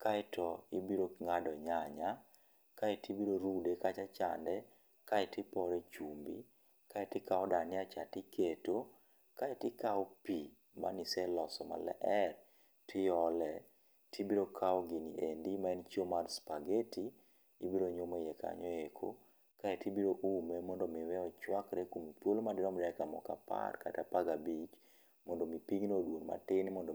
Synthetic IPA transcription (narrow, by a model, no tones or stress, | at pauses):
kaɪtʰɔibiɾoŋadɔɲaɲa | kaitibiɾoɾudekat͡ʃat͡ʃa̰ndɛ | kaɛtɪpɔɾɛt͡ʃumbḭ | kaɛtɪkaɔdanɪat͡ʃatɪketo | kaetɪkaɔpi | ma̰nisɛlɔsɔma̰lɛ̰ʔɛr | tʰɪjɔlɛ | tʰibiɾokʰaɔɡiniʔendimaɛnt͡ʃiomarspaɡetʰiː | biɾoɲomejɛkʰa̰ɲɔekʰo̰ | kaetibiɾoʔumemɔndɔmɪwɛɔt͡ʃwakɾekompwolomadɪɾɔmɾɛkamɔ̰ka̰pa̰rka̰tapaɡabit͡ʃ | mɔndomipiŋnodwonma̰tɪnmɔndo